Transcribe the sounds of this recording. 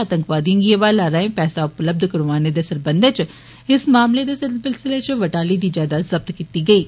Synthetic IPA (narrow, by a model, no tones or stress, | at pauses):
aːt̪ə̃ŋkʋaːd̪iõɡieʋaːlaːɾəẽpɛːsaʊpləb̚d̪kɐɾʋaːned̪esɐɾbə̃nd̪t͡ʃ | ɪsmaːmled̪esɪlsɪlsɪlet͡ʃʋɐʈaːlid̪iːd͡ʒaːd̪azɐb̚t̪kiːt̪iɡɐiː